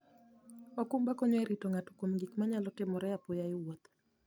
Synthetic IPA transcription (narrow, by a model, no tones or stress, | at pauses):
wakumbakɔɲɔɛɾitoŋatu̥kwomɡikmaɲalɔtɪmɔɾɛapɔjaɪwot̪